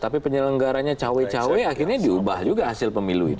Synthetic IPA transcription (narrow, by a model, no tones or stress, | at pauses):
t̪apipəɲələŋɡaɾaɲat͡ʃawɛt͡ʃawɛakɪrɲadiubahd͡ʒuɡaɦasɪlpəmiluḭ